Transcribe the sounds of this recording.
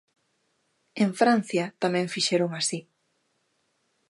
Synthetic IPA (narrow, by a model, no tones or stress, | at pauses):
eɱfɾan̟θjɐt̪amɛ̃ɱfiʃeɾoŋasi